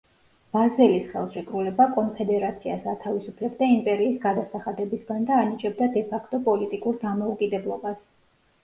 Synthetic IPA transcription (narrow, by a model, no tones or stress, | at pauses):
b̥azɛlisχɛ̰lˠʃikʼɾulɛbakʼɔnpʰɛd̪ɛɾat̪sʰiasat̪ʰavisupʰlɛbd̪aimpʼɛɾiːsɡad̪asaχad̪ɛbisɡand̪aːnit͡ʃʼɛb̚d̪ad̪ɛpʰakʰt̪ʼɔpʼɔlit̪ʼikʼuɾd̪amɔukʼid̪ɛblˠɔbas